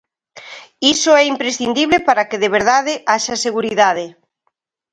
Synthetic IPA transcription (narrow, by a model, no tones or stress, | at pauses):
isʊɛimpɾesθind̪iβlepaɾakɪðeβ̞eɾðaðɪʔaʃaseɣuɾiðað̞ɪ